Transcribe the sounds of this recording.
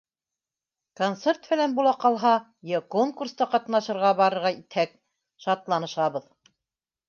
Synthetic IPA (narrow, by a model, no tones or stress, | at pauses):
kont̪sert̪bɘ̆lænbulˠɑqɑlˠɦɑ | jɘkoŋkurst̪ɑqɑt̪nɑʃɤ̆ɾʁɑbɑɾɤ̆ɾʁɑit̪hæk̚ | ʃɑt̪lˠɑnɤ̆ʃɑβɤ̆ð